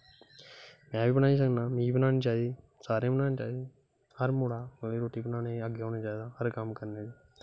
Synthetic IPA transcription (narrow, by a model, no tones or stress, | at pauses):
mɛ̃ːbiːbənaːĩːs̬əɡnaːmĩːbənaːneːt͡ʃaːd̪e | saːɾẽːbənaːnẽːt͡ʃaːe | həɾmoːɽaːliːɾoːʈiːbənaːneəɡeːoːneːt͡ʃaːid̪aɦəɾkəmkəɾneːd͡ʒi